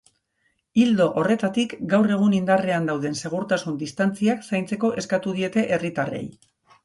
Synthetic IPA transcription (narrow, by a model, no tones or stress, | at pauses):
ild̪o̞ʔore̞t̪at̪ikɡawre̞ɣ̞unind̪areand̪awð̞e̞nse̞ɣ̞uɾt̪asund̪ist̪ant͡siaksajnt͡se̞ko̞ʔe̞skat̪uð̞ie̞t̪e̞ʔe̞rit̪are̞̰j